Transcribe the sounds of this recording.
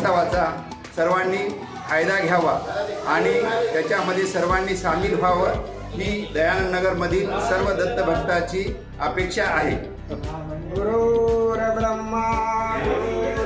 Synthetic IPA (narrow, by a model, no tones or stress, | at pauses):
əʋat͡sa | səɾʋanːiː | kʰajd̪aɡʱjaʋaaɽ̃it̪jat͡ɕjaməd̪ʱːjesəɾʋanːiːsamiːlbʱaʋəɾ | ɦiːd̪əjanənəɡəɾməd̪ʱiːsəɾʋəd̪ət̪ːəbʱəɡt̪at͡ɕiː | əpekʂaːɦe | ɡuɾuɾəbɾəmːə